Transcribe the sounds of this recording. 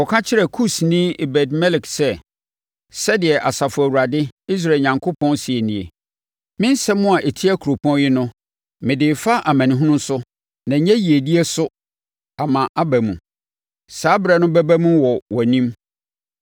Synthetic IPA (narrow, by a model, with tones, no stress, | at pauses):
ɔ˨kʰã˦t͡ɕʰɪ˦ɾɛ˨kʰu˦snĩ˦ɪ˨bɛ˨dmɛ˦lɪ˨ksɛ˦˨ | sɛ˦dɪ˨ɛ˨ʔa˨sa˨fʊ˨æ˨wu˨ɾa˨dɪ˦i˦s̬ɾa˦˨ɲã˨ŋkʰo˦pʰɔ̃˦nsi˨e˨nĩ˨ḛ˨ | mɪ̃˦n˦sɛ˦mʊ̃˦a˨ʔe˨tʰi˦æ˦kʰu˨ɾo˨pʰɔ̃˦n˦jɪ˦nʊ̃˦ | mɪ̃˨dɪː˨fa˦ʔa˨mæ̃˨nĩ˨ɦũ˦nʊ̃˦n˦sʊ˦ | nã˨ɲɛ̃˦ji˨e˨di˦ɛ˦sʊ˦ | a˨mã˨ʔa˦bæ˨mũ˨ | saː˨˦bɪ˨ɾɛ˨nʊ̃˦bæ˦bæ˦mũ˦wɔ˨wɔ˨nĩ˦m